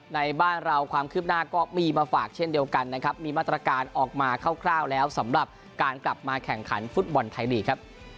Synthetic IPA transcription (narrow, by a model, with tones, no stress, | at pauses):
na˧jbaː˥˩nɾa˧wkʰwaː˧mkʰɯː˥˩p̚naː˥˩kɔː˥˩miː˧maː˧faː˨˩k̚t͡ɕʰe˥˩ndi˧əwka˧nːa˦˥kʰɾa˦˥p̚miː˧maː˥˩t̪̬ːɾa˧kaː˧nʔɔː˨˩k̚maː˧kʰa˥˩wkʰlaː˥˩wlɛː˦˥wsa˩˦mɾa˨˩p̚ | kaː˧nkla˨˩p̚maː˧kʰɛ˨˩ŋkʰa˩˦nfu˦˥t̪̚bɔ˧nt̪ʰa˧jdiː˨˩kʰa˦˥p̚